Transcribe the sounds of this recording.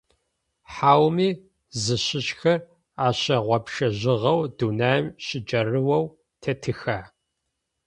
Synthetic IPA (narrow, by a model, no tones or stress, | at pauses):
ħaːwmiː | zɨɕɪɕxɐr | aːɕɐʁʷɔpʃɐʑɪʁɐwduːnaːjmɕɪd͡ʒʼɐrɨwɐw | tʰɐtʰɨxaː